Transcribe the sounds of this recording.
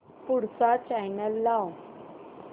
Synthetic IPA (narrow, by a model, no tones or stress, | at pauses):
puɽsat͡ɕajnəlːaw